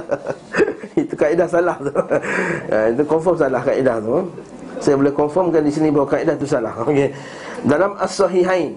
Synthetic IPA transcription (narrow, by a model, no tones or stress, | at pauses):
it̪ukaidahsalaht̪u | ait̪̬ukɔɱfɔms̬alahkaʔidaht̪u | sajabolɛhkɔnfɔmkandisinĩbawakaʔidaht̪usalahoke | dalamasɔɦiɦain